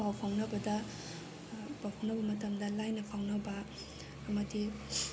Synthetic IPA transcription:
awpʰawnɐbɐdɐ | bawpʰawnɐbɐmɐtɐmdɐlajnɐpʰawnɐbɐː | mɐdi

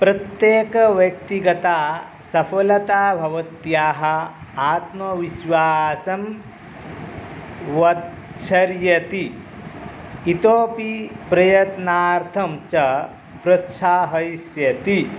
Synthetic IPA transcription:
pɾɐt̪jeːkɐʋjɐk̚t̪iɡɐt̪aː | sɐpʰɐlɐt̪aːbʱɐʋɐt̪jaːɦɐ̆aːt̪mɐʋiʃʋaːsɐm | ʋɐt̪ | ʃʰɐɾjɐt̪i | t̪oːpipɾɐjɐt̪naːɾt̪ʰɐmt͡ʃɐ | bɾɐt̪ʃaːɦɐjsjɐt̪i

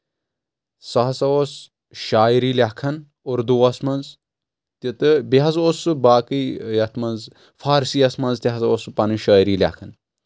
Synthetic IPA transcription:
sɐɦɐsɐos | ʃaːjɾiːlʲakʰɐn | oɾd̪uːɐsmɐnz | t̪it̪ɨbiɦɐzosɨbaːkijɐt̪ʰmɐnz | fʰaːɾsiːɐsmɐnzt̪ʲiɦɐsɐospɐniʃaːjɾiːlʲa̰kʰɐn

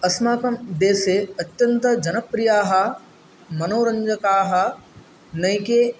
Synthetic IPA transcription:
ɐsmaːkɐmd̪eːseɐt̪jɐnt̪ɐd͡ʒɐnəpɾijaːɦɐ | mɐnoːɾɐ̃ɲd͡ʒəkaːɦɐ | nɐ̃ĩkeː

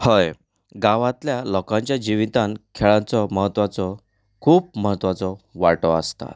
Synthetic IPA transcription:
həj | ɡaʋãt̪ljalɔkãɲt͡ɕjad͡ʑiʋit̪ankʰeɭãnt͡sɔməɦət̪ːʋat͡sɔ | kʰuːp̚məɦət̪ːʋat͡sɔʋaʈɔast̪a̰

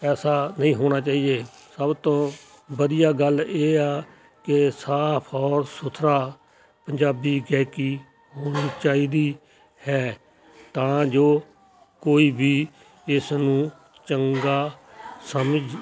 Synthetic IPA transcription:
ɛːsaːnəĩːɦoːɽ̃aːt͡ʃaːiːeː | səbt̪õː | bəd̪ɪjaːɡəleːaː | kesaːpʰɔːɾsʊt̪ʰɾaː | pəɲd͡ʒaːbiːɡɛːkiː | ɦoːñiːt͡ʃaːiːd̪iː | hɛː | t̪ãːd͡ʒoː | koːiːbʱiː | ɪsnũː | t͡ʃəŋɡaː | səməd͡ʒ

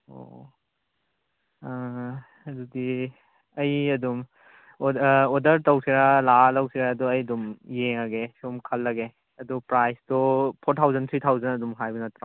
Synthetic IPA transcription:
o̰ | ɐdudi | ɐjɐdum | odɐɾtɐwsiɾalalawsʰiɾaːduɐjdumjeŋaɡesumkʰɐlːɐɡe | ɐdupɾajstɔpʰoɾtʰawzɐnt̪ʰɾit̪ʰawzɐnɐdumɦajbɐnɐt̪ɾa

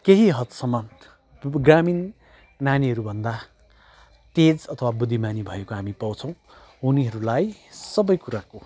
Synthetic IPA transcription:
keɦiɦʌt̪sʌmʌn | ɡraminː | aniɦʌɾubʱʌnd̪a | ʈed͡zʌt̪ʰʌwabud̪ʱːimanibʱʌjekoɦamipʌwt͡sʰʌ̃w̃ | uniɦʌɾulajsʌbʌjkuɾako

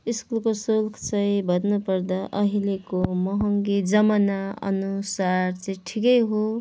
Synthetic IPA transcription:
iskulkosulkʰt͡sʌj̃bʱʌd̪nupʌɾd̪aʔʌɦilekomʌɦʌŋɡid͡zʌmanaʌ̰nusart͡sʌĩʈʰikʌjɦo

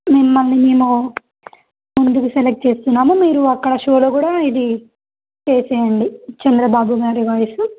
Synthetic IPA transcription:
memːɐlːimeːmo | mund̪ukuselek̚ʈ̚t͡ʃe̞ːst̪unːaːmumiːɾuɐkːɐɽɐʃo̞ːlo̞ːkuːɽaːid̪i | t͡ʃeːsɛːjɐɳɖit͡ʃɐnd̪ɾɐbaːbuɡaːɾiʋɐjɐsu

